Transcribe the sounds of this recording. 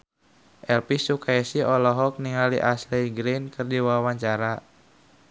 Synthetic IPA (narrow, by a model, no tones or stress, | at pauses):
ʔɛlpisukaɛsiɔlɔɦɔk̚niŋaliʔaslɛjɡɾinkɨrdiwawaɲt͡ʃaɾa